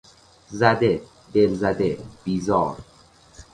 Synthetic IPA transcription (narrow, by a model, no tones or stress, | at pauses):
zæd̪e | d̪e̞lzæd̪eb̥iːzɒːɾ